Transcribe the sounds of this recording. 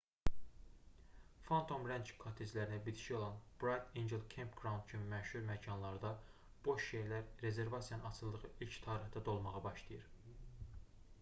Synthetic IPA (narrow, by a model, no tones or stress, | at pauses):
fant̪ʰo̞mɾænt͡ʃkʰot̪ʰezlæɾinæbid̪ʰi̥ʃio̞lˠɑnb̥ɾajt̪ʰend͡ʒelkʰempɡ̥ɾɑwnd̪t͡ʃʰynmæʃhuɾmæcʰɑnlˠɑɾd̪ɑ | b̥o̞ʃʃejlæɾɾe̞ze̞ɾvɑsijɑnɯnɑt͡ʃʰɯlˠːɯʁɯʔilcʰt̪ʰɑːɾiχd̪ɑd̪o̞lˠmɑʁɑbɑʃlˠɑjɯɾ